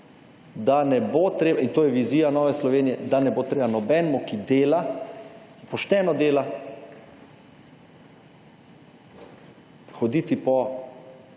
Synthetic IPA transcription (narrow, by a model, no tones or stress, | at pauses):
d̪anɛbot̪ɾeːbint̪oːjɛʋiziːjanɔːʋɛslɔʋeːnijɛd̪anɛboːt̪ɾeːbanɔbɛnmɔkid̪eːla | ipɔʃt̪ɛnɔd̪eːla | xɔd̪iːt̪ipɔ